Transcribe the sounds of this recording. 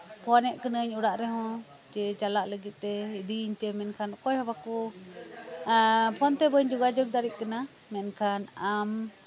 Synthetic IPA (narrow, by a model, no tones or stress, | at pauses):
pʰɔnɛʔkənəɲuɽaʔɾɛɦɔ̃ | d͡ʒɛt͡ʃalaʔləɡit̪̚ˀt̪ɛid̪iɲpamɛnkʰanɔkɔjhɔbaku | pʰɔnt̪ɛbəɲd͡ʒuɡad͡ʒɔɡ̚d̪aɾiʔ̪̚kana | mɛnkʰanam